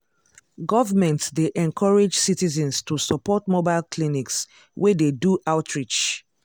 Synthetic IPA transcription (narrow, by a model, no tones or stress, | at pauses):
ɡɔvəmɛ̃ntsdeʔɛ̃nkʰɔɹed͡ʒsitizɛ̃nstusɔpɔtmobaɪlkʰliniks | wʔededuʔaʊtʰɹit͡ʃ